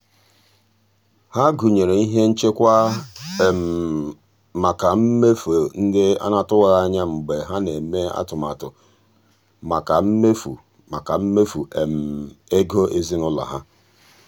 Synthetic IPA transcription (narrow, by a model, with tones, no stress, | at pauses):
ha˦ɡu˨ɲe˨ɾe˨i˦ɦe˦n̩˦t͡ʃe˦kʷa˦˨ | m | ma˨ka˨m̩˦me˦fo˨n̩˦dɪ˦a̰˦na˦tʊ˦wa˨ɣa˦˨ɲa˦ŋ͡m̩˨ɡ͡be˨ɦa˦ne˨me˦a̰˦tʊ˨ma˨tʊ˨ | ma˨ka˨m̩˦me˦fṵ˨ | ma˨ka˨m̩˦me˦fu˨ʔe˨m̩˨e˦ɡo˦ʔe˦zi˦nʊ˦la̰˨ɦa˦